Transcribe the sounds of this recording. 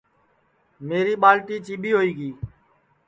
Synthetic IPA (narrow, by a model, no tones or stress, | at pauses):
meːɾiːɓaːlʈiːt͡ʃiːɓiːɦoːiːɡiː